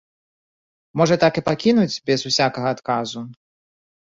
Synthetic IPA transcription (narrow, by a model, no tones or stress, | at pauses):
mɔʐɐt̪akɨpakʲinud͡zʲbʲɛzusʲakɐɣɐːt̪kazu